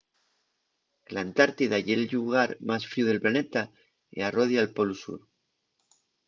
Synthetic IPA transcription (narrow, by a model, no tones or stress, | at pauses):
elant̪aɾt̪iðaʝelʎuɣaɾmasfɾiuðe̞lplane̞t̪a | ḭaroð̞jalpolusṵɾ